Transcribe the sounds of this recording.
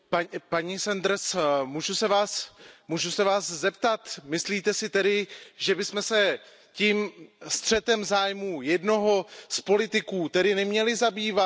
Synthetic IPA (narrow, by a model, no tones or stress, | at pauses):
papaɲisɛnd̪ɾsmuʒusɛvaːsmuʒusɛvaːszɛp̚t̪at̪mɪsliːt̪ɛsɪt̪ɛɾɪʒɛbɪsmɛsɛ | ciːmst̪r̝̥ɛt̪ɛmzaːjmuːjɛdno̞ɦo̞spo̞lɪt̪ɪkuːt̪ɛdɪnɛmɲɛlɪzabiːva